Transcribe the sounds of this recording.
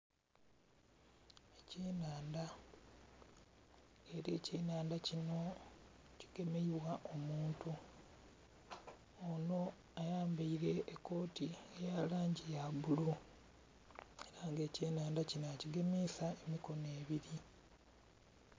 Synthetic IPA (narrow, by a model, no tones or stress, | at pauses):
eceːnaːnda | eɾeːceːnaːndacino̞ | ci̥ɡe̞meiβwaʔo̞muːntu | ono̞ | ajaːmbaiɾe̞ʔːkːo̞ːtiejalaːɲɟijaβulu | eɾaŋɡe̞ːceːnaːndacinociɡe̞meːsaemiko̞ne̞ːβiɾi